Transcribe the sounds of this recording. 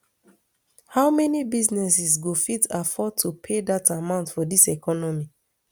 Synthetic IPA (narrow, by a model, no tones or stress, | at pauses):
haʊmɛnibiznɛsisɡofitafɔtʰːupʰedatamãʊ̃ntfɔdisɛkʰɔnɔmi